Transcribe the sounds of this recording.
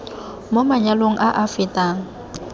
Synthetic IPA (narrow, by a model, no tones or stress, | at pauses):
momaɲaloŋ̩ʔaʔafɪtʼaːŋ̩